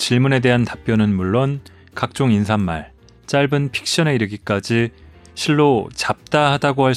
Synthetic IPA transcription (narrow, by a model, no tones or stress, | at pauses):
t͡ɕiɭmune̞de̞ɦantap͈jʌnɯnmuɭːon | kak̚t͡ɕ͈oŋinsʰamːa̰ɭ | t͡ɕ͈aɭbɯnpʰi̥k̚ɕ͈ʌne̞iɾɯɡik͈ad͡ʑi | ɕʰiɭːot͡ɕap̚t͈ahadaɡohaɭ